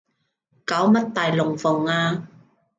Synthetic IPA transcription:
kaː˨˥wmɐ˥t̚t̪aː˨jlʊ˨˩ŋfʊ˨˩ŋaː˧

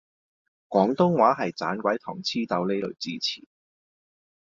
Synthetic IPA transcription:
kʷɔː˨˥ŋt̪ʊ˥ŋwaː˨˥ɦɐ˨jt͡sa̰ː˨˥nkʷɐ˨˥jt̪ʰɔː˨˩ŋt͡sʰiː˥t̪ɐ˨˧wle˥jlɵ˨˩ɥt͡siː˥t͡sʰḭː˨˩

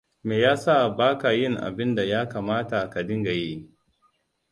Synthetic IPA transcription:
meː˨jaː˦sa˦˨baː˦ka˨jɪ˦˨ŋʔa̰˨bɪ˦nda˨jaː˦kaː˨maː˦ta˨ka˨dɪ˦ŋɡa˨ji˦

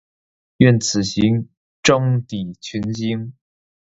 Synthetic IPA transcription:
ɥɛ˥˩nt͡sʰɹ̩˨˩ɕi˧˥ŋ | ʈ͡ʂɤ˥ŋt̪i˨˩t͡ɕʰy˧˥nt͡ɕi˥ŋ

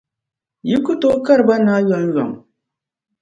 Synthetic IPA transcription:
ji˦ku˦to˦ka˦ɾba˦na˦ɥɔ˨˦ŋ˦ɥɔ̰˨ŋ

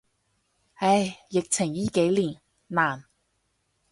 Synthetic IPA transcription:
ɐ˧˥jjɪ˨k̚t͡sʰɪ˨˩ŋjiː˧˥ke˨˥jliː˨˩nː | aː˨˩n

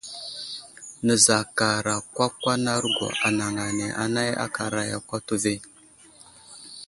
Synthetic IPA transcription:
nə˨za˨ka˨ɾa˨kʷa˦kwa˦na˦ɾɡo̰˨ʔa˨na˨ŋa˨ne˨ʔa̰˨na˦ja̰˦ka˨ɾa˨ja̰˨kʷa˦tu˦ve˦

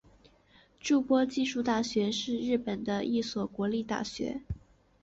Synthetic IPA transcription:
ʈ͡ʂu˥˧pwɔ˥t͡ɕi˥˧ʂu˥˧t̪a˥˩ɕɥɛ˧˥ʂɻ̩˥˧ɻɻ̩˥˩pə˨˩nd̪ə˦ʔi˥˩swɔ˨˩kwɔ˧˥li˥˧t̪a̰˥˩ɕɥɛ̰˧˥

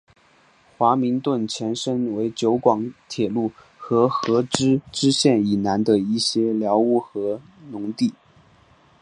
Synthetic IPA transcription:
xwa˧˥mi˧˥ŋt̪wə˥˩nt͡ɕʰjɛ˧˥nʂə˥nwe˧˥ɪt͡ɕjo˧˥ʊkwɑ˧˥ŋt̪ʰjɛ˨˩lu˥˩ | xɤ˧˥xɤ˧˥ʈ͡ʂɻ̩˥ʈ͡ʂɻ̩˥ɕjɛ˥˩ni˨˩na˧˥nd̪ə˧i˥˩ɕjɛ˥ljɑ˧˥ʊu˥˩xɤ˧˥nʊ˧˥ŋt̪i˥˩

